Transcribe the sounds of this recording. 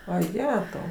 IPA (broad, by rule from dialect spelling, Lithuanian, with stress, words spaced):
ʋɐˈjæːtɐʊ